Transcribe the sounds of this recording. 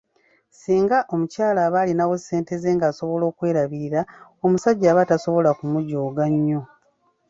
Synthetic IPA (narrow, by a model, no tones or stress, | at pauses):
siːŋɡaʔo̞mucaːlaːβaːlinawose̞ːnte̞zeːŋɡaːso̞βo̞lo̞ːkwe̞ːɾaβiːɾao̞musaɟːaːβataso̞βo̞lakumuɟoːɡaɲːo̞